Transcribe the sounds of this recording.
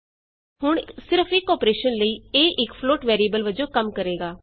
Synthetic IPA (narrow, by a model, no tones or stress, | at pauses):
hʊɳsɪɾəpʰɪkːɔːpɾeːʃənləiːeːʔɪkpʰloːʈʋɛːɾiəbəlʋəd͡ʒõːkəmkəɾeːɡaː